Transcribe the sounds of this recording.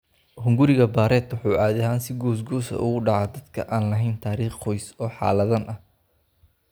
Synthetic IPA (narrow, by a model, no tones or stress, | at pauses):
hʊŋɡʊɾɪɣɐbaːɾɛːd̪ʊħuːʔaːðɐɦaːnsɪɡɔːs̬ɡuːsɐ̰ʔʊ̰ɣʊɖɑʕaːd̪ɐd̪̥kʰɐ̰ʔaːnlɐɦɛjnt̪ʰaːɾiːχqɔjsɔːħɑ̰ːlɐðɐnʔɐ